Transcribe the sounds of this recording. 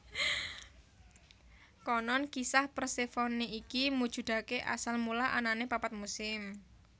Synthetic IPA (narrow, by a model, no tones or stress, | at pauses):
kɔnɔnkisahpərsefɔniikimud̥ʒ̥ṳd̪̥a̤keʔa̰salmulaʔa̰nanepapat̪̚musɪm